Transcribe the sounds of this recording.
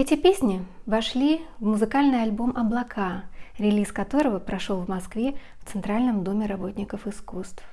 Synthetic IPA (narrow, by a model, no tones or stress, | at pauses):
ɛtʲɪpʲesʲnʲɪvɐʂlʲivmʊzɨkalʲnɨjɐlʲbo̞mʔɐblˠɐkʰaɾʲɪlʲiskɐt̪o̞ɾəvəpɾɐʂo̞lˠvmɐskvʲe | ft̪sɨnt̪ɾalʲnəmd̪omʲɪɾɐbo̞tʲnʲɪkəfɨskust̪f